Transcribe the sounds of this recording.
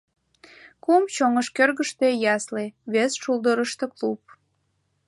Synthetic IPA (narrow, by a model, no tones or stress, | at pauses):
kumt͡ɕoŋəʃkørɣəʃt̪ejɑsleβesʃuld̪əɾəʃt̪eklup̚